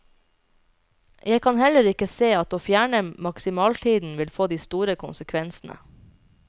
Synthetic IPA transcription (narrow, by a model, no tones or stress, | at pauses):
jæɪkʰɑnhɛləɾɪkəseːɑt̪oːfjæːɳəmɑksɪmɑːlt̪ʰiːd̪n̩ʋɪlfoːd̪iːst̪uːɾəkʰʊnsəkʰʋɛnsn̩ʔə̰